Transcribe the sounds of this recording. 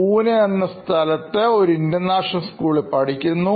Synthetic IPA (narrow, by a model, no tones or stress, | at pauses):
uːneenːɐst̪ʰɐlɐt̪ːeo̞ɾuindɐnːaːʂɐskuːɭepɐɽikʲːunːu